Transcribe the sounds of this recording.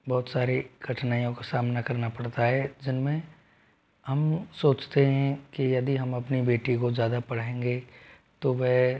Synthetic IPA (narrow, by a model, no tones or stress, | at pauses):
bɔːt̪saːɾeɡ̥ʱɐʈʰnaːjõkasaːmnakɐɾnapɐɽt̪aɦɛd͡ʒɪnmẽ | ɦɐmsoːt͡ʃt̪eɦɛ̃kijɐd̪iɦɐmɐpnibeːʈikozjaːd̪apɐɽẽːŋɡe | t̪oʋɛɦ